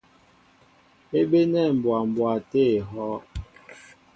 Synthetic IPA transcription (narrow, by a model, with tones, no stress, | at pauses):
e˦ɓe˦nɛ˦˨m̩˨bwa˨m˨bwa˨te˦˨ɦɔ˦